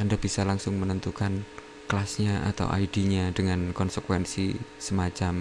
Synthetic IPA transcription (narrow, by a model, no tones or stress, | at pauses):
andab̥isalaŋsʊŋmənənt̪ukan | kəlasɲaʔa̰t̪a̰wʔa̰idiɲadəŋankɔnsəkwɛnsisəmat͡ʃam